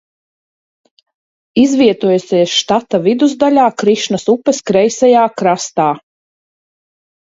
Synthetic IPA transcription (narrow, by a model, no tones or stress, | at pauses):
izviɛt̪uɔjusʲɛjsʃt̪at̪avid̪uzd̪alʲaːkɾiʃnasupːɛskɾɛjsɛjaːkɾast̪aː